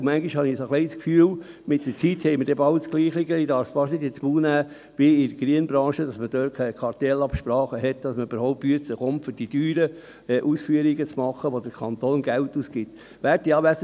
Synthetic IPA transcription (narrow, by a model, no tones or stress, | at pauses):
mæŋɡiʃhɑnisəχleɪskfyːl | mɪt̚d̥ət͡sithɛɪməɾdɛbɑʊsɡ̥liːχɪɡəidɑːɾfsfɑʃnɪdɪt͡smuːnæː | ʋiɪdəɡ̥ɾiənbɾɑ̃ːʃədɑsməd̥øːt̚kʰɛkʰɑɾt̪ɛlɑpʃpɾɑːχəɦɛtd̥ɑsməyb̥əɾhɔʊp̚tpːyəsəχomtfʏɾd̥idyːɾə | ʔuːsfyəɾiɡət͡smɑχːəʋod̥əɾkʰɑnt̪oːnɡæltːuːsɡ̥ɪt̪ | ʋæːɾtdiɑːʋæsə